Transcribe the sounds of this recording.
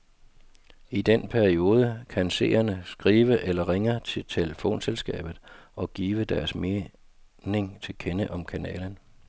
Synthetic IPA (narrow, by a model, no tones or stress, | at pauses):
id̥enpʰæɐio̝ːð̞ˠəkʰænse̝̰ːɐnəsɡ̥ʁiːʋəʔelɐʁeŋət͡sʰe̝lt͡sʰeləfo̝̰ːnselsɡ̥ɛ̰ːb̥ð̩ˠɒ̽ɡ̥iːʋəd̥æɐsme | ne̝ŋt͡sʰe̝lkʰenəʔɒ̽mkʰænɛ̰ːln̩